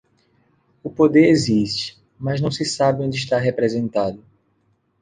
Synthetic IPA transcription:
ʊpod̪eɾeziʃt͡ʃɪ̥ | mɐznɐ̃w̃sɪsabɪõd͡ʒɪiʃt̪aɦepɾezẽnt̪ad̪ʊ

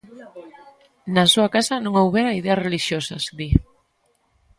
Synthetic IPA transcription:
nasuakasɐnõŋowβeɾaiðeɐsreliʃjosɐsd̪i

